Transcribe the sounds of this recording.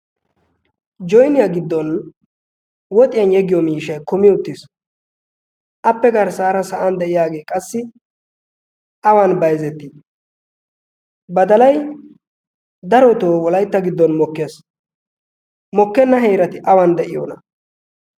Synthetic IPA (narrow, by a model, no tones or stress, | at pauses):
d͡ʒɔjnɪjaɡɪd̪ːɔn | wɔt̪ʼɪjɐnjɛɡɪjɔmiːʃɐjkɔmɪʊt̪ːɪs | ʔɐpːɛɡɐɾsaːɾɐsɐʔɐnd̪ɛʔɪjaːɡe̞ːkʼɐsːɪ | ʔɐwanbɐjzɛt̪ːɪ | bɐd̪ɐlɐj | d̪ɐɾɔt̪oːwɔlɐjt̪ːɐɡɪd̪ːɔnmɔkːeːs | mɔkːɛnːɐɦe̞ːɾɐt̪ɪʔɐwand̪ɛʔɪjo̰ːnɐ